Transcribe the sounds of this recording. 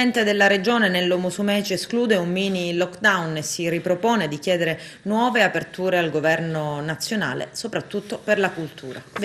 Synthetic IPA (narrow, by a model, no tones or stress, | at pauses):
ɛnt̪ed̪elːaɾed͡ʒoːnenelːomosumɛːt͡ʃeeskluːd̪eumːiːnilɔkd̪awnesiripɾopoːned̪ik̟jɛːd̪eɾe | nwɔːveapert̪uːɾealɡovɛrnonat̪sːjona̰ːlḛsopɾat̪ːut̪ːoperlakult̪ʰuːɾa̰